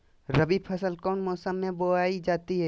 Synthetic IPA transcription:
ɾəbipʰɐsəlkɔːnmɔːsəmːẽboaːid͡ʒaːt̪iɦɛː

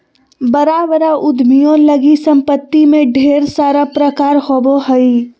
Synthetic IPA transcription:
bəɾaːbɾaʔʊd̪mijõlɐɡisɐ̃mpət̪ːimẽɖʱeːɾsaːɾapɾəkaːɾhoːboɦɐi

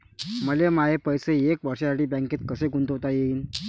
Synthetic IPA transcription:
məlemaepəjseekʋəɾɕjasaʈiːbãŋket̪kəseɡunt̪oɦot̪ajeiːn

